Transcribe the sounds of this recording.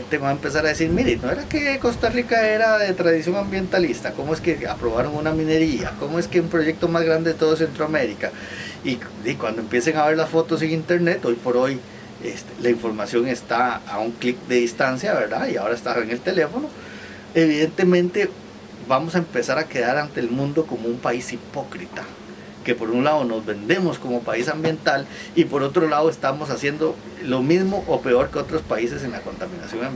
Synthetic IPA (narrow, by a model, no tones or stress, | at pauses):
nt̪eβaempe̞s̬aɾaðesiɾmiɾenoeɾakeko̞st̪arikae̞ɾaðet̪ɾaðisjo̞ŋambje̞nt̪alist̪ako̞moeskea̰pɾo̞βaɾoŋunamĩne̞ɾia̰komoeskeumpɾo̞ʝek̚t̪omazɣɾand̪eðet̪oðos̬e̞nt̪ɾoame̞ɾika | id̪ikwand̪oempje̞seŋaβe̞ɾlasfo̞t̪o̞seŋint̪e̞ɾne̞t̪o̞jpo̞ɾo̞j | ḛst̪elaiɱfo̞ɾmasjo̞ŋest̪aːuŋklik̚d̪e̞ðist̪ansjaβe̞ɾd̪aiao̞ɾaest̪aeŋe̞lt̪e̞le̞fo̞no | e̞βiðe̞nt̪e̞mẽ̞nt̪e̞ | bamo̞saempe̞saɾake̞ðaɾant̪eːlmũnd̪o̞ko̞moumpaisipo̞kɾit̪a | ke̞po̞ɾunlaðono̞zbe̞nd̪e̞mosko̞mo̞paisambje̞nt̪alipo̞ɾo̞t̪ɾolaðoe̞st̪amo̞s̬asje̞nd̪o | lomizmo̞ʔope̞o̞ɾke̞o̞t̪ɾospaise̞se̞ŋlako̞nt̪amĩna̰sjo̞ŋam